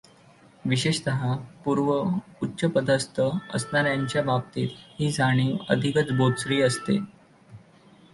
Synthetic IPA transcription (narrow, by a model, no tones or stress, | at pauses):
ʋiɕeɕt̪əɦapuɾʋəutːɕəpəd̪ʱast̪ʰəə̰snaɾjaɲt͡ɕjabap̚t̪iːt̪hiːd͡zʱaɽ̃iːə̰d̪ʱikət͡sbod̪sɾiːəst̪ḛ